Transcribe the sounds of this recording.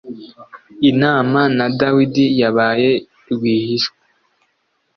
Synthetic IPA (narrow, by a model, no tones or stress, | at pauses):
inaːmanadawidijaβaːje | ɾɡwiːhiʃwa